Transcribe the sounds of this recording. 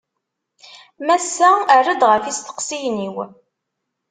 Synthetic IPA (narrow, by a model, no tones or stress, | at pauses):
mæsːæærːəd̪ʁəfist̪ə̥qsijniw